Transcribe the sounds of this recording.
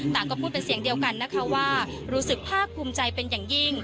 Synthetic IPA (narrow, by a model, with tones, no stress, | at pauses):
t̪aː˨˩ŋkɔː˥˩pʰu˥˩t̪̚pe˧nsi˩˦əŋdi˧əwka˧nːa˦˥kʰa˦˥waː˥˩ | ɾuː˦˥sɯ˨˩k̚pʰaː˥˩k̚pʰːuː˧mt͡ɕa˧jpe˧njaː˨˩ŋji˥˩ŋ